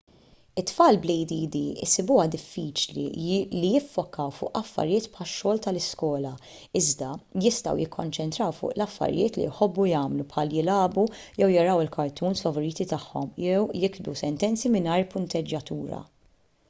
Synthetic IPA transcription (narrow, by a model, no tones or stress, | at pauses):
ɪt̪ːfɐːlblɛjd̪iːd̪iɪ̰sɪbʊːɐd̪ɪfːiːt͡ʃlḭlijɪfːɔkːɐwfʊ̰ːʔɐfːɐ̰ɾjɪːt̪pħɐʃːɔːlt̪ɐlɪskɔːlɐ | ɪzd̪ɐjɪst̪ɐ̰wjɪkʰːɔnt͡ʃɛnt̪ɾɐwfʊ̰ːʔlɐfːɐ̰ɾjɪːt̪lḭjħɔbːujɐːmlupħɐːljɪlɐːbujɛwjɐɾɐwɪlkʰɐɾt̪uːnsfɐvɔɾiːt̪it̪ɐħːɔ̰mjɛwjɪkd̪usɛnt̪ɛnt͡simɪnɐːɾpʊnt̪ɛd͡ʒːɐt̪uːɾɐ̰